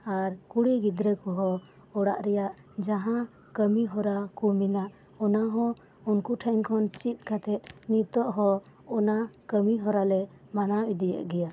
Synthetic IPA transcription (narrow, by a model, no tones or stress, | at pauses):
aɾkuɽiɡid̪ɾəkɔɦɔ | ɔɽa̰ʔɾɛjaʔ | d͡ʒaɦã | kəmiɦɔɾakuminaʔ | ɔnaɦɔ̃ | unkuʈʰəŋkʰɔnt͡ʃip̪̚ˀkʰat̪ʰɛt̪̚ˀnit̪ɔʔɦɔ | ɔnakəmiɦɔɾalɛ | manawid̪ija̰ʔɡɛja